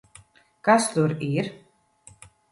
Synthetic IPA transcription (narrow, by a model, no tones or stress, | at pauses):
kast̪uɾiɾ̥